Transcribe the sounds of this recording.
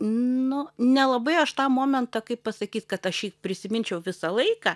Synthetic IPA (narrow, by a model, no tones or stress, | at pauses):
nʊnʲɛlˠɐbɐɪɐʃt̪ɑːmoːmʲɛnt̪ɐkɐɪppɐsɐkʲiːt̪kɐt̪ɐʃjiːpʲɾʲɪsʲɪmʲɪnʲt͡ʃʲɛʊʋʲɪsɐlˠɐɪkɑː